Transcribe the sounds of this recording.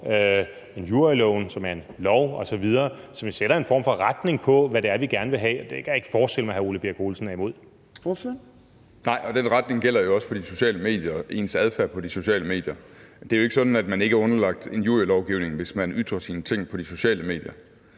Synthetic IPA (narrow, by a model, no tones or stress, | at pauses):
ø | e̝njuɐilɔʊnsɒ̽mæɐe̝nlɒʊɒ̽sɒ̽ʋið̞ˠɐːsɒ̽mʋiseɾ̥ɐe̝nfɒ̰m̰fɒ̽ʁad̥ne̝ŋpʰɒ̽ʋædeæɐʋiɡ̥æɐnəʋe̝ɦɛ̰ːd̥e̝kʰæje̝ɡ̥ə̥fɒːsɡ̥eləmæhæoləb̥e̝ːɐɡ̥ʰo̝ːlsn̩æɐimo̝ð̞̰ˠ | nɑ̈ɪ̰ɒ̽d̥enʁad̥ne̝ŋɡ̥el̰ɐjo̝ɒ̽səfɒ̽d̥iso̝ɕɛ̰ːləme̝̰ːd̥jɐʔe̝̰nsæð̞ˠfæɐpʰɒ̽d̥iso̝ɕɛ̰ːləme̝̰ːd̥jɐ | d̥e̝æjoe̝ɡ̥əsɒ̽d̥n̩æd̥mæne̝ɡ̥əæɔ̽nɐlɑ̈ɡ̥̚d̥e̝njuɐilɒʊɡ̥iʊne̝ŋʋe̝smænyð̥ʁɐsiːnət͡sʰe̝ŋ̰pʰɒ̽d̥iso̝ɕɛ̰ːləme̝ːd̥jɐ